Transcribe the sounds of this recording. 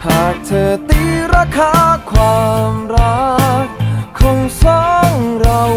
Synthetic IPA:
haː˨˩k̚t̪ʰɤː˧t̪iː˧˥ɾaː˧kʰaː˧˥kʰwaː˧mɾa˦˥kkʰɔ˧ŋsɔ˧˦ŋɾa˧

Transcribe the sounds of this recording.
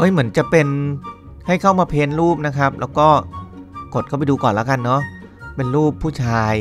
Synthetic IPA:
ʔɤ˦˥˩mɯ˩˦ənt͡ɕa˨˩ʔpe˧n | ha˥˩jkʰa˥˩wmaː˧pʰeː˧nɾuː˥˩p̚na˦˥kʰɾa˦˥p̚lɛː˦˥wkɔː˥˩ko˨˩t̪̚kʰa˥˩pa˧jduː˧kɔː˨˩nla̰˦˥ka˧nːɔ˦˥ʔ | pe˧nɾuː˥˩pʰːuː˥˩t͡ɕʰaː˧j

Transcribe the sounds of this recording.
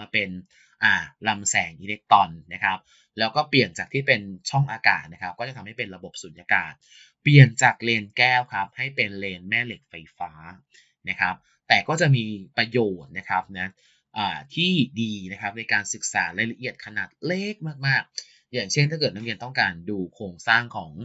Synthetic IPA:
maː˧pe˧n | ʔaː˨˩la˧msɛː˩˦ŋʔi˧le˦˥k̚t̪ɔ˧nːa˦˥kʰa˦˥p̚ | lɛː˦˥wkɔː˥˩pli˨˩ənt͡ɕaː˨˩k̪̚ʰiː˥˩pe˧nt͡ɕʰɔ˥˩ŋʔaː˧ka̰ː˨˩t̪̚na˦˥kʰa˦˥p̚kɔ˥˩a˨˩t̪ʰa˧mha˥˩jpe˧nɾa˧bo˨˩p̚su˨˩˦nʔa˧kaː˨˩t̪̚ | pli˨˩ənt͡ɕa˨˩k̚leː˧nkɛː˥˩wkʰa˦˥p̚ha˥˩jpe˧nleː˧nmɛː˥˩le˨˩k̚fa˧jfaː˦˥ | na˦˥kʰa˦˥p̚ | t̪ɛː˨˩kɔː˥˩t͡ɕa˨˩ʔmiː˧pɾa˧joː˨˩t̪̚na˦˥kʰa˦˥p̚na˦˥ | ʔaː˨˩t̪ʰiː˥˩diː˧na˦˥kʰa˦˥p̚na˧jkaː˧nsɯ˨˩k̚saː˩˦ɾa˧jla˧ʔi˨˩ət̪̚kʰa˧naː˨˩t̪̚leː˥˩k̚maː˥˩k̚maː˥˩k̚ | jaː˨˩ŋt͡ɕʰe˥˩nt̪ʰaː˥kɤː˨˩na˦˥ɾi˧nt̪ɔ˥˩ŋkaː˧nduː˧kʰɾoː˧ŋsaː˥˩ŋkʰɔː˩˦ŋ

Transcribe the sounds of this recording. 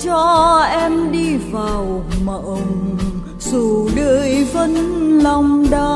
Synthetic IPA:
t͡ɕɔ˧ʔɛ˧mɗi˧vaː˨˩wma˨˩ʔə˧ŋ͡m | su˨˧˩ɗə̰ː˧˨jvə˧nla˧wŋ͡mɗaː˧˦

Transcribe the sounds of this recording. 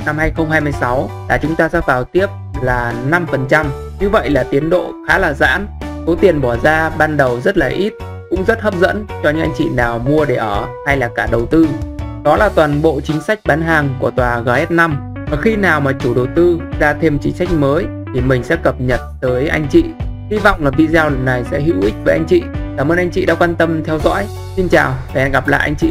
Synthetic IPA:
na˧mhaː˧jxə˧ŋ͡mhaː˧jmɨ˧əjsa˨˦wlaː˨˩t͡ɕʊ˨˦ŋ͡mt̪aː˧zaː˧˥vaː˨˩wt̪i˦˥əp̚laː˨˩na˧mfə˨˩nt͡ɕa˧m | ɲɨ˧və̰˧˨jlaː˨˩t̪i˨˦ənɗo̰˧˨xaː˨˦laː˨˩za̰ː˧˥nso˨˦t̪i˨˩ənɓɔ˧˩zaː˧ɓaː˧nɗə˨˩wzə˦˥t̚laː˨˩ʔi˦˥t̚ | kʊ̰˧˥ŋ͡mzə˦˥t̚həː˦˥p̚zə̰˧˥nt͡ɕɔ˧ɲɨ̰˧˥ʔa˧ŋt͡ɕḭ˧˨naː˨˩wmu˧əɗe˧˩ʔəː˧˩ha˧jlaː˨˩kaː˧˩ɗə˨˩wt̪ɨ˧ɗɔ˨˦laː˨˩t̪waː˨˩nɓo̰˧˨t͡ɕï˨˦ŋ̟sa˦˥jk̟̚ɓaː˨˦nɦaː˨˩ŋku˧˩ət̪waː˨˩ɣaː˨˩jhɛ˦˥t̚na˧m | ʔəː˨˩xi˧naː˨˩wmaː˨˩t͡ɕu˧˩ɗə˨˩wt̪ɨ˧zaː˧t̪ʰe˧mt͡ɕï˨˦ŋ̟sa˦˥jk̟̚məː˨˦j | t̪ʰi˨˩mï˨˩ŋ̟sɛ̰˧˥kə˨˩p̚ɲə˨˩t̚t̪əː˨˦jʔa˧jŋ̟t͡ɕḭ˧˨hi˧vɔ̰˧˨wŋ͡mlaː˨˩vḭ˧zaː˧wna˨˩jsɛ̰˧˥ɦḭ˧˥wʔï˦˥k̟̚vəː˨˦ʔa˧jŋ̟t͡ɕḭ˧˨kaː˧˩məː˧nʔa˧jŋ̟t͡ɕḭ˧˨ɗa̰ː˧˥kwaː˧nt̪ə˧mt̪ʰɛ˧wzɔ̰˧˥j | si˧nt͡ɕaː˨˩wve˨˩ʔɛ˧nɣa˨˩p̚la̰ː˧˨jʔa˧ŋ̟t͡ɕḭ˧˨

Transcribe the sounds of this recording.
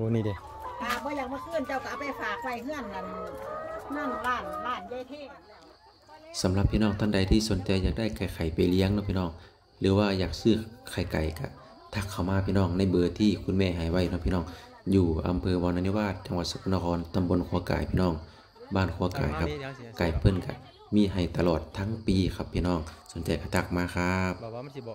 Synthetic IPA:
o˧niː˧˨de˧˩ | aː˨˧˩k̚bɔː˧˦jaː˨˧˩k̚maː˧kʰɯ˧˩˨nt͡ɕa˧˩wka˧˨pa˨˩jfaː˨˩k̚wa˧˨jŋɯ˧˥˨ənːa˧˩n˧hɯ˧˥˨ənbaː˧˥˩nbaː˧˩˨nja˧˨t̪ʰe˧˥˨ | sa˨˦mla˧pʰːiː˧nɔː˧˩ŋt̪ʰa˧˨ŋda˨˩jt̪ʰiː˧˩so˨˦nt͡ɕa˧jːaː˨˩k̚da˧˥˩jka˨˩jkʰa˨˩jpa˨˩jli˧əŋnɔ˧˥pʰi˧nɔː˧˥˩ŋ | lɯː˨˦waː˧˩jaː˨˩k̚sɯː˧˩kʰa˨˩jka̰˨˩jka˧˩ | t̪ʰa˧˩kʰːa˧˩wmaː˧pʰiː˧˨nɔː˧˩˨ŋna˧˩jbɤː˧t̪ʰiː˧kʰu˧˨nmɛː˧˩ɦa˨˩jwa˧˩jnɔː˧˩pʰi˧nɔː˧˩ŋ | juː˧˩ʔa̰˨˦mpʰɤː˧wɔː˧na˧ni˧˨waː˧˩t̪̚t͡ɕa˧˦ŋwaː˧˩so˧kʰu˧na˧kʰɔː˧˥nt̪a˨˧˦mbo˧˥˨nkʰu˧ɐka̰ː˨˩jpʰiː˧nɔː˧˩ŋ | baː˧˩˨nkʰu˧ɐka̰ː˨˩jkʰa˧p̚ka˨˩jpʰɤ˧˥˨nka̰˧˩ | miː˧˥˨ɦa˨˩jt̪a˧lɔː˨˩t̪ʰːa˧˥˨ŋpiː˧kʰa˧pʰːiː˧˨nɔː˧˩ŋso˨˦nt͡ɕa˨jka˧˩t̪ʰa˧˩k̚maː˧kʰa˧p̚

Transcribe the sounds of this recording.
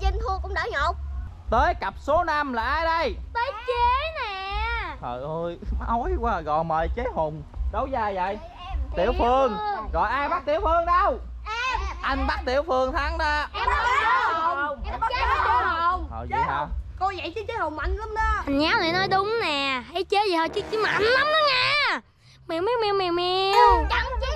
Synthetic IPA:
zɛ˧nt̪ʰu˧əkʊ̰˧˥wŋ͡mɗaː˧˩ɲɔ˨˩k͡p̚ | t̪əː˨˦jka˨˩p̚so˨˦na˧mlaː˨˩ʔaː˧jɗə˧jt̪əː˨˦jt͡ɕe˨˦nɛ˨˩hɔ̰˨˩jʔəː˧jʔɔ˨˦jkwaː˧˩ɣɔ̰˧˨jməː˨˩jt͡ɕe˨˦ho˨˩ŋ͡m | zə˨˦wzaː˧zə̰˧˨j | t̪ḭ˧˩əwfɨ˧əŋɣɔ̰˧˨jʔaː˧jɓa˦˥k̚t̪i˧˩əwfɨ˧əŋɗa˧w | ʔa˧jŋ̟ɓaː˦˥k̚t̪ḭ˧˩əwfɨ˧əŋt̪ʰa˨˦ŋɗaː˧˩ʔɛ˧ma˦˧˦ | e˧˦o˨˩ŋ͡mɔː˨˩ja˨˩ko˧zə̰˧˨jt͡ɕɨ˨˦t͡ɕə˨˦˥ho˨˩wŋ͡ma˧jŋla˨˦mnɔ˨˦ʔa˨˩ɲaː˨˦wnaː˨˩nɔ˨˦jɗʊ˨˦wŋ͡mnɛ˨˩hə˧˦jt͡ɕə˨˦zə˨˩həː˧˩t͡ɕɨ˦˥k̚t͡ɕi˧˨˦ma˨ʔnla˨˦mnɔ˨˦ŋaː˧ | mi˨˩wmi˧˦wmi˧wŋ͡mmi˨˩wmi˧wt͡ɕa˨˧ŋt͡ɕ

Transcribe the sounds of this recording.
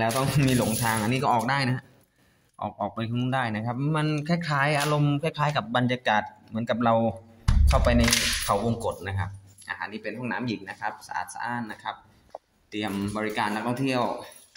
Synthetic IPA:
lɛː˦˥wt̪ɔ˥˩ŋmiː˧lo˨˩˦ŋt̪ʰaː˧ŋʔa˧nːiː˦˥kɔː˥˩ʔɔː˨˩k̚daː˥˩jna˦˥ɦa˥ʔ | ʔɔ̰ː˨˩k̚ʔɔː˨˩k̚pa˧jkʰa˧˩˥daː˥˩jna˦˥kʰa˦˥p̚ma˧nkʰɛː˥˩kʰaː˩˦˥jʔaː˧ɾo˧mkʰɛː˥˩kʰaː˨˦˥jka˨˩p̚ba˧njaː˧kaː˨˩t̪̚mɯ˩˦ənka˨˩p̚ɾa˧wkʰa˥˩wpa˧jna˧jkʰa˨˩wwo˧ŋko˨˩t̪̚na˦˥kʰa˦˥p̚ʔa̰˧ɦa̰ː˨˩˦nːiː˥˩pe˧npu˥˩ŋna̰ː˩˦˥mji˨˩ŋ̚na˦˥kʰa˦˥p̚sa̰˧ʔa̰ː˨˩t̪̚sa̰ː˧˥ʔaː˧˥˩n̚na˦˥kʰa˦˥p̚ | t̪i˧əmbɔː˧ɾi˦˥kaː˧nːa˦˥k̚t̪ʰɔ˥˩ŋt̪ʰi˥˩əw

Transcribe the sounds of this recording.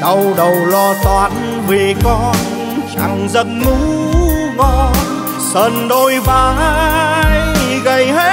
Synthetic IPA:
ɗə˧wɗə˨˩wlɔ˧t̪waː˨˦n | ve˨˩kɔ˧n | t͡ɕa̰˧˩ŋzə˧nmu˨˦kɔ˧n | səː˧˩nɗo˧jvaː˨˩ | jɣə˧˩jɦe˦˥

